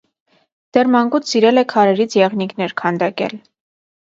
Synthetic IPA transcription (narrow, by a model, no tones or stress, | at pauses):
d̪̥ɛrmɑŋkut͡sʰsiɾɛlɛkʰɑɾɛɾit͡sʰjɛʁniknɛɾkʰɑnd̪ɑkɛ̰l